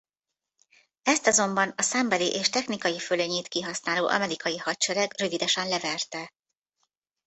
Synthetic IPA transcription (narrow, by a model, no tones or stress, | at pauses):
ɛst̪ɒzo̞mbɒnɒsɛmbɛliʔeːʃt̪ɛxnikɒjiføleɲeːt̪kiɦɒsnaːloːʔɒ̰mɛɾikɒjiɦɒtt͡ʃɛɾɛɡrø̞vid̪ɛʃɛnlɛvɛrt̪ɛ